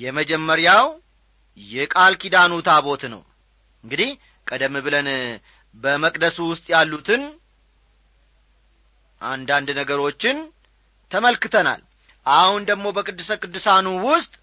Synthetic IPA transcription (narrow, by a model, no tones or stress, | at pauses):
jɛməd͡ʒɛmːəɾjaw | jɛkʼalkʰid̪anut̪ʰaβo̞t̪nə̰w | ɨŋɡɨd̪ih | kʼəd̪əmːɨbɨlən | bəməkʼd̪əsuwʊst̪ʼjalːut̪ʰɨn | ʔa̰nd̪and̪nəɡəɾo̞t͡ʃːɪn | t̪ʰəməlkɨt̪ʰəna̰l | ʔahund̪əɡmo̞bəkʼɨd̪ːɨsəkʼɨd̪ːɨsanuwʊst̪ʼ